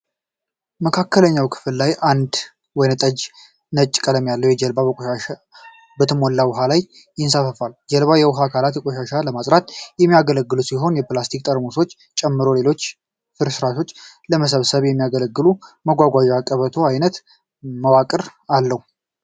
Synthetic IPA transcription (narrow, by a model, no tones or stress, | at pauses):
məkʰakːələɲːawkʰɨ̥fɨllajʔand̪ | wɔjnt̪ʼəd͡ʒ | nət͡ʃʼːkʼələmjalːəwjɛd͡ʒəlbabəkʷʼoʃaʃa | bət̪ʰɨmolːawʊɦalaj | jɪnsafəfald͡ʒɛlβajɛwʊɦakʰalat̪jɛkʼoʃaʃaləmasʼɾat̪jɛmːijaɡələɡːɨlusiɦo̞njɛplast̪ʰik̚ʼt̪ʼəɾmoso̞t͡ʃː | t͡ʃʼɛmːɨɾo̞le̞lo̞t͡ʃː | fɨɾsɨɾaʃo̞t͡ʃː | ləməs̬əβsəβjɛmːijaɡələɡːɨluməɡʷaɡʷaʒɛakʼəβət̪ʰo̞ajnət̪ | məwakʼɨɾalːəhu